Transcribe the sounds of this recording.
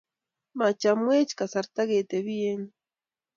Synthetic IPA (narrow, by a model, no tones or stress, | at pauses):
mat͡ʃamwet͡ʃkasaɾt̪aɡeːt̪eβijen